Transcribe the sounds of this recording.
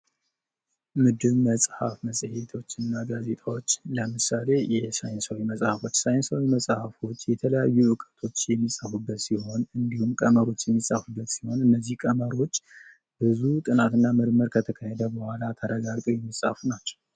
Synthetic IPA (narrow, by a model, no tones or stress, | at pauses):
mɨd̪ɨβməsʼha̰fməsʼhe̞t̪ʰo̞t͡ʃːɨnːaɡaze̞t̪ʰʼawo̞t͡ʃːləmɨsale̞jɛsajɪnsəwiməsʼhafo̞t͡ʃːsajnsawiməsʼhafo̞t͡ʃːjɛt̪ʰələjajːuʔɨkʼə̥t̪ʰo̞t͡ʃːjɛmːisʼafubːət̪siho̞nɨnd̪ihumkʼəməɾo̞t͡ʃːjɛmːisʼafubːət̪siho̞nɨnːəzːihkʼəməɾo̞t͡ʃː | b̥ɨzut̪ʼɨnat̪ɨnːamɨɾməɾkʰət̪ʰəkʰəhed̪əbəhalat̪ʰəɾəɡaɡt̪ʼojɛmːisʼhafnat͡ʃːəw